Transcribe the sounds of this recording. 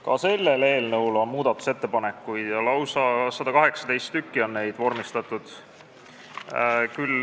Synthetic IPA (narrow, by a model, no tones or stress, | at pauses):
kɑ̰se̞lːe̞le̞ːlnɤwlo̞nmuːd̪̥ɑt̪ːˑu̥se̞t̪ːepɑne̞kːˑujd̪̥jɑlɑwsɑsɑd̪ɑkɑɦe̞ksɑ̥t̪e̞jst̪ːykːio̞nːe̞jd̪̥vo̞rmist̪ɑt̪ːˑud̪̥ | kyl